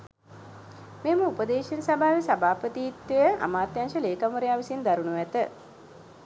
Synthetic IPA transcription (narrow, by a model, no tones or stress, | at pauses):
meːməupəd̪eːʃensabʱaːʋesabʱaːpət̪iːt̪ʋejəʔa̰maːt̪janʃəleːkamuɾejaːʋisind̪aɾunuʋæt̪ə